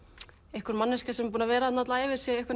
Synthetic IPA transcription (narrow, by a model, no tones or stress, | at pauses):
ehkʏɾmanːɪscasɛmp̬uːnavɛːɾaat̪nat̪laɛːvɪɾ̥sjɛehkʏɾ